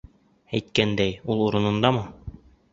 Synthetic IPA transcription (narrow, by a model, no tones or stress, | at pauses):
æjt̪̚kænd̪æjulˠuɾɤ̆nɤ̆nd̪ɑmɤ